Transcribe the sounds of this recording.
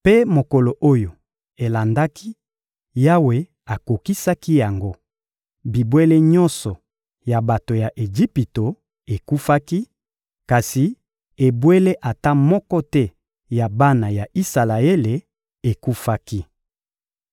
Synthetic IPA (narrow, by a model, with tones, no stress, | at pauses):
pe˦mo˨ko˨lo˨ʔo˦jo˨ | e˨la˨nda˦ki˦ | ja˦we˦ | a˨ko˨ki˦sa˦ki˦ja˨ŋɡo˦ | bi˨bwe˦le˦ɲɔ̃˦nsɔ˨ | ja˨ba˨to˨ja˨ʔe˨d͡ʒi˦pi˨to˨ | e˨ku˦fa˦ki˦ | ka˨si˨ | e˨bwe˦le˦ʔa˨ta˦mɔ˦kɔ˦tɛ˦ | ja˨ba˦na˨ja˨ʔi˦sa˨la˨e˦le˨ | e˨ku˦fa˦ki˦